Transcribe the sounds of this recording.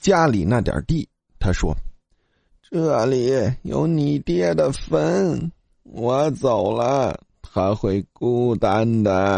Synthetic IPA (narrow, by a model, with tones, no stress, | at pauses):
t͡ɕja˥li˨˩na˥˩t̪jɑ̰˨˩t̪i˥˩ | t̪ʰa˥ʂwɔ̰˥ | ʈ͡ʂɤ˥˩li˨˩jo̰˧˥ʊni˨˩t̪jɛ˥˩d̪ə˨fə˥n | wɔ˧˥t͡so˨˩ʊlə˦ | xa˧˥ɪxwe˥˩ɪku˥t̪a˥nd̪ə˨˩